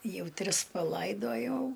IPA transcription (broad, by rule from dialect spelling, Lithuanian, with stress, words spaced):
ˈjɛʊ ˈtʲrʲɪs pɐˈlˠɐɪdoːjɛʊ